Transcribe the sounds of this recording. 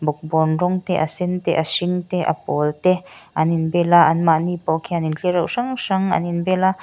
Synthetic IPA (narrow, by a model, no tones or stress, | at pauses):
bʊk̚bɔnrɔŋt̪ɛʔasɪnt̪ɛ̰ʔasɪŋt̪ɛʔa̰pɔlt̪ɛʔaninbɛlaʔɐnmaʔnipɔkʰianinɬiəɾawʂaŋʂaŋa̰ninbɛla